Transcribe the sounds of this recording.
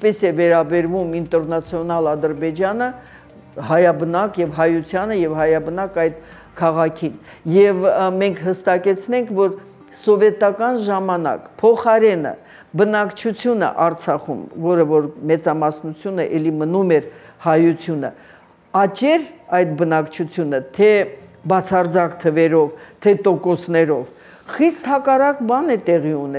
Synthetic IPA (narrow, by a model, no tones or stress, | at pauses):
pɛsɛvɛɾɑbɛɾvumint̪ɛɾnɑt͡sʰjɔnɑlɑd̪əɾbɛd͡ʒɑnə | hɑjɑbənɑkjɛvɦɑjut͡sʰjɑnəjɛvhɑjɑbənɑkɑjd̪̚ | kʰɑʁɑkʰin | jɛvmɛŋkʰhəst̪ɑkɛt͡sʰnɛŋkʰvɔɾ | sɔvɛt̪ɑkɑnʒɑmɑnɑ̰kpʰɔχɑɾɛnə̰ | bənɑkt͡ʃʰut͡sʰjunə̰ʔɑɾt͡sʰɑχṵmvɔɾəvɔɾmɛt͡sɑmɑsnut͡sʰjunəʔɛlimənumɛɾhɑjut͡sʰjunə̰ | ɑt͡ʃɛɾɑjt̪bənɑkt͡ʃʰut͡sʰjunət̪ʰɛbɑt͡sʰɑrd͡zɑkt̪ʰəvɛɾɔvt̪ʰɛt̪ɔkɔsnɛɾɔv | χist̪hɑkɑrɑkbɑnɛt̪ɛʁiunɛ